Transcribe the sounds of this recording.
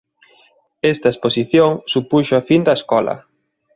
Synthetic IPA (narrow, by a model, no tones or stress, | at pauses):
est̪ɐesposiθjoŋsupuʃoafind̪ɐeskɔlɐ̰